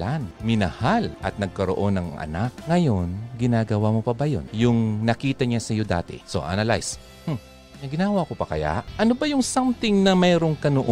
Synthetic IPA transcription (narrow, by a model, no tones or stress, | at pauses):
anmɪnɐ̰halʔɐ̰t̪̚nɐɡ̚kɐɾoʔo̞nɐŋʔɐ̰nak̚ŋɐjo̞nɡɪnaːɡɐwamopɐbɐjo̰njʊŋnɐkiːt̪ɐɲasɐjo̞d̪a̰ːt̪ɛ̰so̞̰ʔa̰nɐla̰js | h̩ | nɐɡɪnaːɡwako̞pɐkɐ̰ja̰ʔʔɐnobɐjʊŋsamt̪ɪŋnɐmɛːɾo̞ŋkɐnoʔo